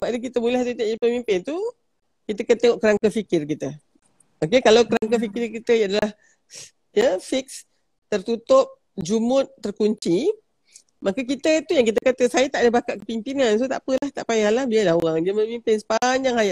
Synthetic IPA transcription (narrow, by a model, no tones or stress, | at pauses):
baadəkit̪əmulɛht̪ut̪aʔəpəmimpɪnt̪u | kit̪əkant̪eŋɔʔkəɾaŋkafikɪrkit̪ə | makəkalawkəɾaŋkafikɪrkit̪əadalah | jəfik̚s | t̪ərt̪ut̪ʊp̚ | d͡ʒumʊt̪̚ːərkuɲt͡ʃi | makək̬it̪ət̪ujaŋk̬it̪̬əkat̪əsajət̪aʔdəhbakaʔkə̥pimpinans̬ot̪a̰ʔpəlaht̪aʔpajalahbialahoɣaŋd͡ʒamə̃mimpɪnsə̥paɲd͡ʒaŋajaʔ